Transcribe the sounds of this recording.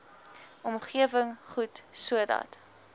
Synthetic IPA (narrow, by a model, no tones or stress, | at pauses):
ʔɔmχiəvəŋχutsuədɑ̰t